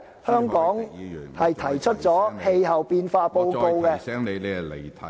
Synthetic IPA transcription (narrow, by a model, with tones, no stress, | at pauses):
hœː˥ŋkɔː˨˥ŋhɐ˨jt̪ʰɐ˨˩jt͡ʃʰɵ˥t̚t͡sɔː˨˥he˧jhɐ˨wpiː˧nfaː˧po˧wko˧wkɛː˧˨